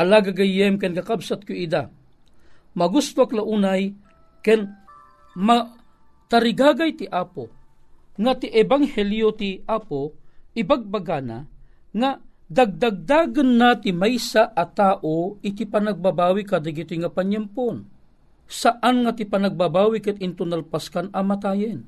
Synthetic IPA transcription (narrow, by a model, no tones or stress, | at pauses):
ʔalaːɡaɡajɛmkɛnkakabsat̪̚kʊid̪a | mɐɡust̪oaklaʔuːnaj | kɛn | ma | t̪aɾɪɡaːɡajt̪ɪʔaːpo | ŋat̪ɪʔɛbaŋhɛljot̪iʔaːpoɪbaɡ̚baɡana̰ | ŋa | d̪aɡ̚d̪aɡ̚d̪aːɡanːat̪ɪmajsaʔat̪aːʔoɪt̪ipanaɡ̚babaːwikad̪aɡit̪oŋapaɲampon | saʔanŋat̪ipanaɡ̚babaːwikat̪ɪnt̪ʊnalpaskanamat̪aːjɪn